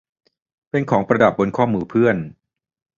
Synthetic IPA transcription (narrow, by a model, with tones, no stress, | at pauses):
pe˧nkʰɔː˩˦ŋpɾa˧da˨˩p̚bo˧nkʰɔː˥˩muː˧pʰɯ˥˩ən